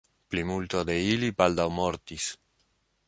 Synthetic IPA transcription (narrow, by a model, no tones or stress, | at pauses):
plimult̪ode̞ilibaldawmo̞ɾtis